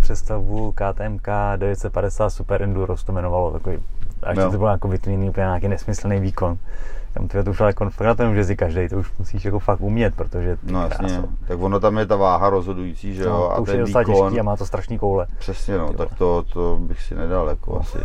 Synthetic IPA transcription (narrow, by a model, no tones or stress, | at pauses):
psɛst̪avukaːt̪ɛːɛmkadɛvjɛt̪sɛt̪padɛsaːt̪supɛɾʔɛnduɾost̪omɛnovalot̪akovej̰ʃɪt̪obɪljakovɪt̪ɲɛniːʔupəɲɛɲaːkejnɛsmɪsl̩nejviːko̞nt̪a̰mt̪ɛbɛt̪ouʃaljakonfaknat̪oɛmʃɛzɪkaʒdɛjt̪ouʃmusiːʃjako̞faktumɲɛt̪̚pɾot̪oʒɛnojaɾa̰ɲɛo̰t̪akvonot̪amjɛt̪avaːɦaɾozɦodujit͡siːʒɛjoa̰ouɛzot͡salakcɛʃniːamaːt̪ost̪ɾaʃniːkowlɛpr̥ɛsɲɛnot̪akt̪ot̪obɪxsɪnɛdaljakoa̰sɪ̰